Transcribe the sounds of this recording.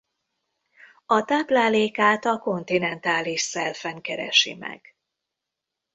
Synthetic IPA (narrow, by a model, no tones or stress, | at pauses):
ɒt̪aːplaːleːkaːt̪ɒko̞nt̪inɛnt̪aːliʃsɛlfɛŋkɛɾɛ̰ʃḭmɛ̰ɡ̥